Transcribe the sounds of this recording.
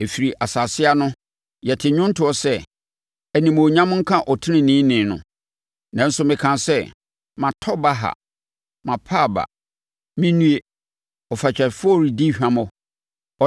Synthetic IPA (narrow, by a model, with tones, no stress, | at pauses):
e˨fi˨ɾi˨ʔa˨sa˨sɪ˦a˦nʊ̃˦ | jɛ˨tʰɪ˨ɲʊ̃˦n̩˦tʰɪ˨˦ɔ˦sɛ˦ | æ˨nĩ˨mʊ̃˨ɲã˦m̃˦ŋ̩˦kʰã˦ʔɔ˨tʰɪ̃˦nɪ̃˨nɪ̃ː˦nɪ̃˨nʊ̰̃˨ | nã˨n̩˦sʊ˦mɪ̃˨kʰã˨nsɛ˦ | mã˨tʰɔ˦ba˦ɦa̰˨ | mã˨pʰaː˦˨ba̰˨ | mĩ˦nũ˦e˦ | ɔ˨fa˨t͡ɕᶣʰɛ˨fʊ˦ɔ˦˨ɾi˨di˦ɕᶣã˦mʊ̃˨ | ɔ˨